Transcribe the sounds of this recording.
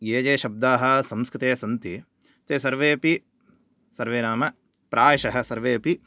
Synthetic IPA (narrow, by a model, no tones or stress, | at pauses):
jeːd͡ʒeːʃɐb̚d̪aːɦɐ̆sɐmskɾɪt̪eːsɐnt̪i | t̪eːsɐɾʋeːpi | sɐɾʋeːnaːmɐ | pɾaːjɐʃɐɦɐ̆sɐɾʋeːpi